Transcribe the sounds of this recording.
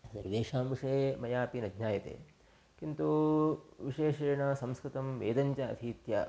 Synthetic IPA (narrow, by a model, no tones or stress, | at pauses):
sniɾd̪eːʂaːmʋiʂɐjmɐjaːpinɐd̪ɲaːjɐt̪ḛː | kint̪u | ʋiʃʂeːʃɐːɳɐsɐmskɾɪt̪ɐmʋeːd̪ɐɲt͡ʃɐɐ̰t̪ʰiːt̪ja̰ː